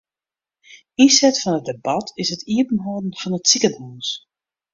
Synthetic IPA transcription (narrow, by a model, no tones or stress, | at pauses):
isɛtfɔnət̚debɑtʰɪsətʰiəpən̩ɦɔːdn̩fɑnətsikaduːns